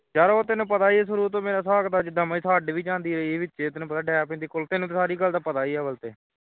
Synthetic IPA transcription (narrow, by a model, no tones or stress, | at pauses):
d͡ʒaːɾoːt̪ɪnũːpət̪aːiɛːs̬əɾuːɾt̪õːmeːɾaːsaːkd̪aːd͡ʒɪd̪amaːisʰaːɖʋiːd͡ʒãːnd̪iːɾəiːeːʋɪtːʃeːt̪ɪnũːpət̪aːɖɛːapẽːnd̪iːkoːlt̪ɪnũːt̪eːsaːɾiːɡəld̪aːpət̪aːiːɛːbəlt̪eː